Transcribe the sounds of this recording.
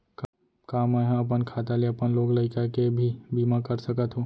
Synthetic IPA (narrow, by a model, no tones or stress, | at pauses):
k | kamaɦãəp̬ənkʰat̪aleəpənlokləɪkakebʱibimakəɾsəkət̪ʰɦũ